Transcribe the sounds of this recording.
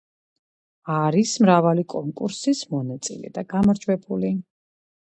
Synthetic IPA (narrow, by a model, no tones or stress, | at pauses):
aɾismɾavalikʼɔŋkʼuɾsismɔnat̪sʼḭlɛ̰d̪aɡamaɾd͡ʒwɛbuli